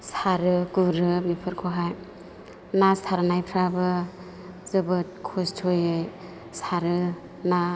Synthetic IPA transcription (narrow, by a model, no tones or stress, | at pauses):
saɾɯɡuɾɯbipʰɯɾkʰoɦaj | nasaɾnajpʰɾabɯ | zɯbɯt̚kʰɔstʰojɯj | saɾɯ | na